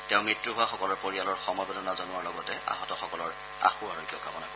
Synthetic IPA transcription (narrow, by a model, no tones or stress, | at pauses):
tɛʊ̃mɹitɹuɦʊaxɔkɔlɔɹpoɹialɔɹxɔmɔjbɔdɔnazonuwaɹlɔɡɔtɛʔa̰ɦɔtɔxɔkɔlɔɹ | a̰xuaɹɔɡijɔkabɔnakɔ